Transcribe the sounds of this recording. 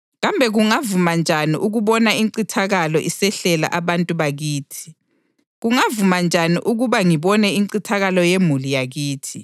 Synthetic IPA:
ɣambʱɛɣuŋavumand͡ʒʱaniʔuɣuβɔnaiǀitʰaɣalɔʔisɛɬɛla̰ʔaβantʼuβaɣiːtʰi̥ | ɣuŋavumand͡ʒʱaniʔuɣuβaŋiβɔnɛiǀitʰaɣalɔjemulijaɣiːtʰi

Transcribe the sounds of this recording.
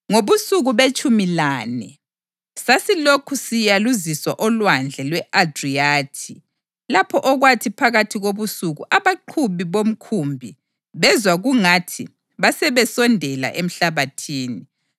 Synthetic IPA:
ŋoβusuɣuβet͡ʃʼumilaːnɛ | sasilokʰusijaluziswa̰ʔɔlwand͡ɮʱɛlwɛʔadriaːtʰi | lapʰɔʔɔɣwatʰipʰaɣatʰiɣoβusuɣuʔaβaǃʰuβiβom̩kʰumbʱi | βɛzwaɣuŋatʰi | βasɛβɛsɔndʱɛla̰ʔem̩ɬaβatʰiːni

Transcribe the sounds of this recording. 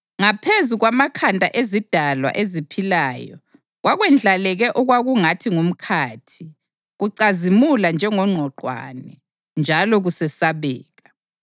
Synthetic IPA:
ŋapʰezuɣwamakʰantʼaʔezid̥ʱalwa̰ʔezipʰilaːjɔ̰ | ɣwʔaɣwɛnd͡ɮʱalɛɣɛʔɔɣwaɣuŋatʰiŋum̩kʰaːtʰi | ɣuǀazimuland͡ʒʱɛŋɔŋ͡ǃʱɔǃwa̰nɛ | nd͡ʒʱalɔɣusɛsaβɛːɣa

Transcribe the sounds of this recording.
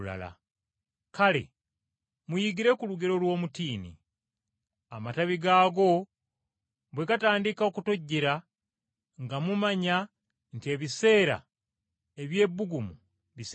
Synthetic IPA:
la̰la̰ | kale̞̰ | mujiɡiɾe̞kuluɡeɾo̞lwo̞ːmutiːnḭ | amataβiɡaːɡo̞ | βwe̞ɡataːndikaokuto̞ɟːeɾa | ŋɡamumaɲa | ntie̞βise̞ːɾa̰ | e̞βje̞ːβːuɡumu | βis

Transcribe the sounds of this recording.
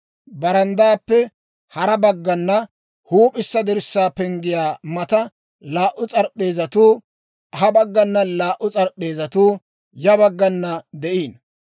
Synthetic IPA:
bɐɾɐnd̪aːpːɛ | hɐɾɐbɐɡːɐnːɐ | huːpʼɪsːɐd̪ɪɾsːaːpɛŋɡɪjaːmɐt̪ɐ | laːʔʊt͡sʼɐɾpʼːe̞ːzɐt̪uː | hɐbɐɡːɐnːɐlaːʔʊt͡sʼɐɾpʼːe̞ːzɐt̪uː | jɐbɐɡːɐnːɐd̪ɛʔiːn

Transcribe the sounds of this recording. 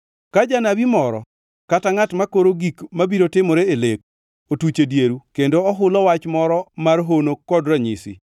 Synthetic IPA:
kad͡ʒanabimɔɾɔ̰ | kataŋatmakoɾoɡikmabiɾotɪmɔɾeelek̚ | otut͡ʃedjeɾukendoɔɦʊlɔwat͡ʃmɔɾɔmarɦonokɔdɾaɲḭsɪ̰

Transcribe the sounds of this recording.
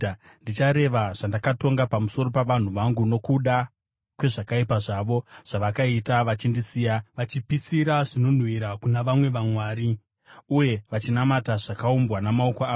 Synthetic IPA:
ndit͡ʃaɾe̞ʋaʐ̥andakato̞ŋɡapamuso̞ɾo̞paʋan̤uʋaŋɡuno̞kuɗa | kwe̞ʐakaipaʐaʋo̞ʐ̥aʋakaitaʋat͡ʃindisiːjaʋat͡ʃipisiɾaʐino̞n̤wiɾakunaʋamwe̞ʋamwaːɾi | uje̞ʋat͡ʃinamataʐ̥akaumbwanamaokoaː

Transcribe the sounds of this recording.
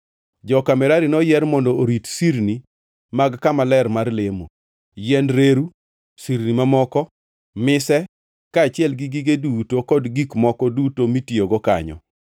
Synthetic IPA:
d͡ʒɔkamɛɾaɾinɔjɛrmɔndɔoɾitsiɾni | maɡkamalɛrmarlemo̰ | jɛnɾeɾu | siɾnimamɔkɔ | mɪsɛ | kaːt͡ʃɪɛlɡiɡiɡedutokɔdɡikmɔkɔdutomitioɡɔka̰ɲɔ̰

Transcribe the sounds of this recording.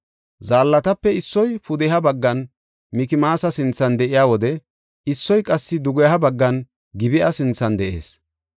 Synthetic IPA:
zaːlːɐt̪ɐpːɛɪsːɔjpʊd̪ɛɦɐbɐɡːɐn | mɪkɪmaːsɐsɪnt͡sːɐnd̪ɛʔɪjaːwɔd̪ɛ | ɪsːɔjkʼɐsːɪd̪ʊɡɔjɦɐbɐɡːɐn | ɡɪbɪʔɐsɪnt͡sːɐnd̪ɛʔe̞̰ːs

